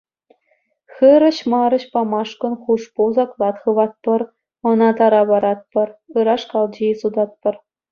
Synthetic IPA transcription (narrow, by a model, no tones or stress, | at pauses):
xɯɾɤ̆ɕmɑɾɤ̆ɕpɑmɑʂkɤ̆nχuʂpuzɑklˠɑt̪χɯ̆ʋɑt̪̚pɤ̆r | ɤ̆nɑt̪ɑɾɑβɑɾɑt̪̚pɤ̆rɯɾɑʂkɑlˠd͡ʑeisud̪ɑt̪̚pɤ̆r